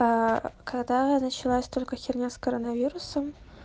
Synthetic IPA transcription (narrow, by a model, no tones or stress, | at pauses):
akaɡd̪anət͡ɕɪlˠasʲt̪olʲkəxʲɪrnʲaskəɾənɐvʲiɾʊsəm